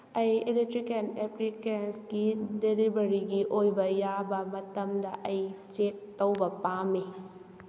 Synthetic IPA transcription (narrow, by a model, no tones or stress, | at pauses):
ɐjeletɾikɐnɛplikensɡidelibɐɾiɡiʔojbɐjabɐmɐtɐmdɐʔɐjt͡ʃet̚ːɐwbɐpame